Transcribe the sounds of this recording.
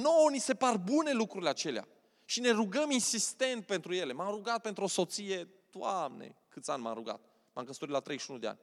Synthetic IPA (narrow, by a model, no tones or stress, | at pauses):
nonise̞parbune̞lukɾuɾileat͡ʃe̞lea̰ | ʃine̞ruɡəminsist̪e̞nt̪̚pent̪ɾuje̞le̞mamruɡat̪̚pe̞nt̪ɾuo̞so̞t̪sije̞ | d̪̥wamnḛkɨt̪sʲanʲma̰mruɡa̰t̪̚ | ma̰mkəst̪oɾit̪lat̪ɾe̞jʃunud̪ea̰nʲ